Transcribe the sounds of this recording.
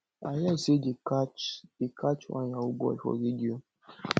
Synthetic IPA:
ajaisedikat͡ʃd̥ekʰat͡ʃwa̰njawuɡ͡bɔ̰fɔ̰vidio

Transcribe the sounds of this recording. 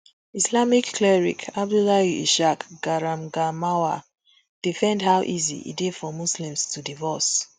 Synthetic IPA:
islamikːlɛɹḭkʰab̚dulajuʔiʃakɡ̥aɹamɡamawa | d̥ifɛ̃ndhawʔizḭḭdefɔmuslĩmstʰudivɔs

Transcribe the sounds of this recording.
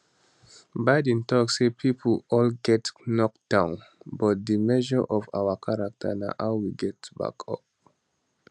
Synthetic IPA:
baɪdĩntʰɔksepʰipʰəlɔlɡɛtnɔk̚d̥ãʊ̃n | bɔt̚dəmɛʒəʔɔva̰wəkʰaɹak̚tʰə̰na̰ʔaʊwiɡɛtba̰kʰɔ̰p̚

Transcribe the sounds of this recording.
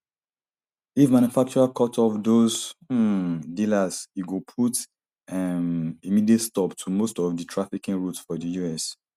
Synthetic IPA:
ifmãnjufak̚t͡ʃuɹakʰɔtʰɔvdoz | dilasiɡupʰut | ɛmimidietstɔptʰumostɔvdətʰɹafikĩnɹutsfɔdəjuɛs

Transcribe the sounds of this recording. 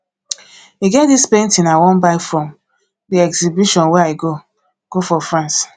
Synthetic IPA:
iɡɛtdispẽntinawɔ̃nbaɪfɾɔ̃m | diɛɡzibiʃɔ̃nwɛaiɡo | ɡ̥ofɔfɾãns

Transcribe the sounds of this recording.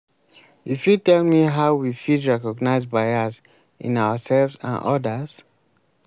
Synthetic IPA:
ifjutɛlmiɦaʊwifidɹɛkɔɡnaɪzbaɪas | ḭ̃nawasɛlvsã̰nʔɔ̰das

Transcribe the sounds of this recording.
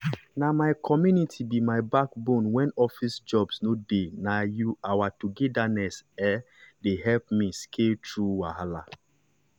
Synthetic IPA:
namaɪkʰɔmjunitʰibimaɪbakbõnwɛ̃nɔfisd͡ʒɔbsnodenajuawatuɡɛdanɛsɛ | deɦɛlp̚mĩskʰetʰɹuwahala̰

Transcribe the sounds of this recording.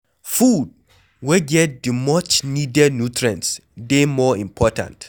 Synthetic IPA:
fud̚ | wɛɡɛt̚dimɔt͡ʃnidɛdnutʰɹãnsdemɔĩmpʰɔtʰã̰nt

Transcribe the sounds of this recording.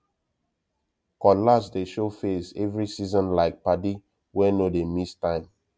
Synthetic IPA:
kɔlasdeʃofesɛvɹisizɔ̃nlaɪk̚padi | wɛnodemistãɪ̃m

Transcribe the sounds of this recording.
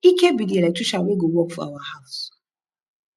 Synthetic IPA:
ikebidielɛtuʃawʷeɡowɔkfa̰wahaʊs

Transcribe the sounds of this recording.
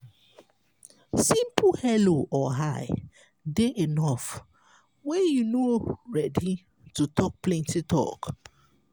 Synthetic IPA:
sĩmpʰlhɛloʔɔɦaɪ | deʔenɔf | wɛjunoɹɛdi | tutʰɔk̚plɛ̃ntitʰɔ̰k

